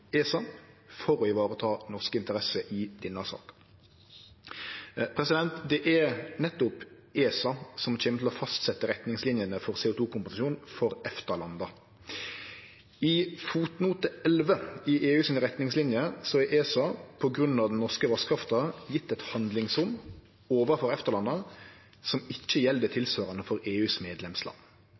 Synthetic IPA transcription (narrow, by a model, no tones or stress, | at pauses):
eːsɑ | fɔɾɔɪʋɑːɾət̪ʰɑːnɔʁskəɪnt̪əʁɛsəʔɪd̪̥ɪnːɑsɑ̰ːk | pʰɾɛsɪd̪ɛnt̪d̪ɛʔɛɾnɛt̪ːʊp | ʔeːsɑsɔmc͡çɛːmət̪ʰl̩ɔfɑst̪sɛt̪ːəɾɛt̪nɪŋslɪnjənəfɔʁseːʊːt̪ʰuːkʊmpʊsɑʃjuːn̩fɔɾɛft̪əlɑnd̪ɑ | ɪfuːt̪nuːt̪əɛlʋəɪʔeːʉːsɪnɾɛt̪nɪŋslɪnjəsɔɛʔeːsɑpʰɔɡɾʉnːɑʋd̪ɛnnɔʁskəʋɑskʰɾɑft̪ɑjɪt̪ːɛt̪hɑnd̪lɪŋsɾʊm | oːʋəʁfɔɾɛft̪əʁlɑnə | sɔmɪçːəjɛld̪ət̪ʰɪlsʋɑːɾənəfɔɾeːʉːsmeːd̪lɛmslɑ̰n